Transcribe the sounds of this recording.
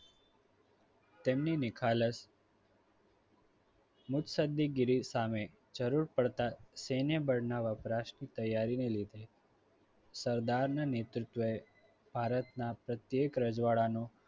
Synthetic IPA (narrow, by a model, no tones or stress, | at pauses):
t̪emninɪkʰaləs | mʊt̪səd̪ːiɡiɾisame | d͡ʒəɾuɾpəɭt̪asenjəbəɽnaʋapɾaʃnit̪əjːaɾinelid̪ʱe | səɾd̪aɾnanet̪ɾut̪ʋəe | b̥ʱaɾət̪napɾət̪jekɾəd͡ʒʋaɭano